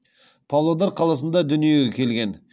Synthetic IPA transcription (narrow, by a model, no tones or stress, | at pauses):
pʰɑlˠod̪ɑɾqʰɑlˠɑs̬ənd̪ɑd̪ʏnije̞ɡʲekʲʰe̞lɡʲe̞n